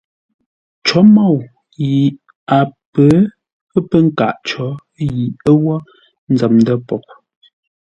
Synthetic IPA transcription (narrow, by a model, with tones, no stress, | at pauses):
t͡ʃɔ˨˦ma˦˨w | ji˨ | a˨pə˨˦ | ə˦pə˦ŋ̩˦ka̰˦˨ʔt͡ʃɔ˨˦ | ji˨ə˦wɔ˦ | n̩˦d͡za˨mndə˦pɔ˨k̚